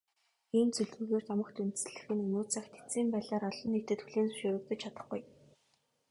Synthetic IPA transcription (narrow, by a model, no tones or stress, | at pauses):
iːnt͡sɵɮŭɣeːrt̪ɔmə̆kt̪ʰunt͡sɘ̆ɮɘ̆xɘ̆nɵnuːt͡sʰaxt̪ʰe̥t͡siːmpæːɮaːɾɔɮɞ̆nːet̪ɘ̆t̪xuɮiːnsʊ̥ʃʊːɾɵ̆k̚t̪ɞ̆t͡ɕʰat̪ə̆χɡuj